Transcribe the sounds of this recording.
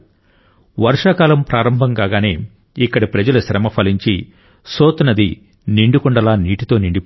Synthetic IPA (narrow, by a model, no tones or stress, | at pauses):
ʋɐɾʂakaːlɐmpɾaːɾɐmbʱɐŋɡaːɡaːneː | ikːɐɽipɾɐd͡ʒɐluʃɾɐmɐpʰɐliɲt͡ʃi | soːt̪unɐd̪i | niɳɖukuɳɖɐlaːniːʈit̪o̞ːniɳɖi